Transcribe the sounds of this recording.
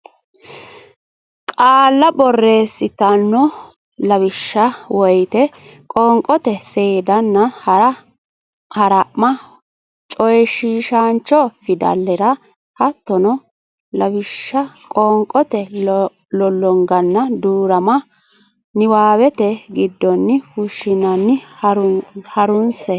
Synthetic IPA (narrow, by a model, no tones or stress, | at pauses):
kʼaːlːɐbɔrːe̞ːsːɪt̪ɐnːɔ | lɐβɪʃːɐwɔjt̪ɛkʼɔŋkʼɔt̪ɛseːd̪ɐnːɐhɐɾɐ | hɐɾɐʔmɐ | t͡ʃʼɔjʃiːʃant͡ʃːɔfɪd̪ɐ̰lːɛɾɐ | hɐt̪ːɔnɔ | lɐbɪʃːɐkʼɔŋkʼɔt̪ɛ | lɔlːɔŋɡɐnːɐd̪uːɾɐmɐ | nɪwaːwɛt̪ɛɡɪd̪ːɔnːɪhʊʃːɪnɐnːɪɾhɐɾʊnsɛ